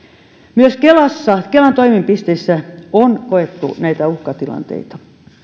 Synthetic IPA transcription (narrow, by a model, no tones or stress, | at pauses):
myøskelɑsːɑkelɑnt̪oimimpist̪eisːæonkoet̪ːṵnæit̪æuhkɑt̪ilɑ̰nt̪ḛit̪ɑ̥